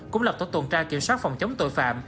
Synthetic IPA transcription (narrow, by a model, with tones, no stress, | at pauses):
kʊ̰˧˥ŋ͡mlə˨˩p̚t̪ːjt̪wə˨˩nt͡ɕaː˧ki˧˩əmswaː˦˥t̚fa˨˩wŋ͡mt͡ɕə˨˦wŋ͡mt̪o̰˧˨jfa̰ː˧˨m